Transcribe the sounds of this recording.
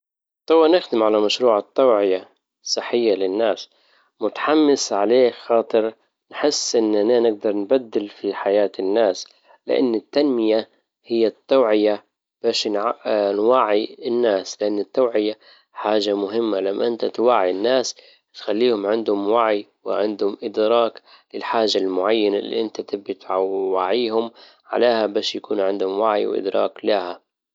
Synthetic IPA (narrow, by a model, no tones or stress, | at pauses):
t̪ˤɑwːanɪxd̪ɪmʕalamaʃɾuːʕat̪ːawʕɪja | sˤːɨħːɪjːalɪnːaːs | mʊt̪ḁħamːɪsʕaleːxɑːt̪ˤɨɾ | nħɪsːʔɪnːʔananɪɡ̚d̪ɑɾˤnbad̪ːɪlfiħajaːt̪ɪnːaːs | lɪ̰ʔa̰nːɪt̪ːanmɪja | hɪjːat̪ːaːʕɪja | b̥aːʃnʕnwaʕiɪnːaːslɪʔanːɪt̪ːawʕɪja | ħaːʒamʊɦɪmːalamːaʔɪnt̪at̪waʕːinːaːs | t̪xalːiːhʊmʕɪnd̪hʊmwaʕiwɪ̰ʕɪnd̪hʊmʔɪd̪ɾɑːklɪlħaːʒalmʊʕajːanalːḭʔɪnt̪at̪ɪbːɪt̪ʕawaʕiːhʊm | ʕa̰leːhabaːʃjakuːnʕɪnd̪hʊmwaʕḭwʔɪ̰d̪ɾˤɑ̰ːklaha